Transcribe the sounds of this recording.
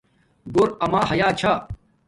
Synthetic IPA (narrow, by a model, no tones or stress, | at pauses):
ɡoɾɐmaːɦɐjaːt͡ɕʰa